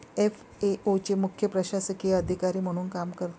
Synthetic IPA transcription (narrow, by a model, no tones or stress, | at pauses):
ef | eʔot͡ɕemukʰjəpɾəɕasəkiəd̪ʱikaɾiːm̤əɽ̃uːnkamkəɾt̪